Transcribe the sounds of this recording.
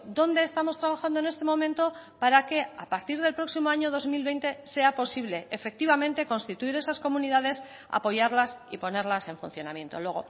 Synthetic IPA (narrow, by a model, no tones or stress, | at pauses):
d̪o̞nd̪e̞ːst̪amo̞st̪ɾaβaxand̪oene̞st̪e̞mõ̞mẽnt̪o̞paɾake̞a̰paɾt̪iɾð̞e̞lpɾo̞ksimo̞aɲo̞ðo̞zmilβe̞jnt̪e̞se̞apo̞siβle̞ːfe̞k̚t̪iβamẽ̞nt̪e̞ko̞nst̪it̪uiɾe̞sasko̞muniðaðe̞s | a̰po̞ʝaɾlasḭpo̞ne̞ɾlase̞ɱfun̟θjo̞namje̞nt̪o̞lwe̞ɣ̞o̞̰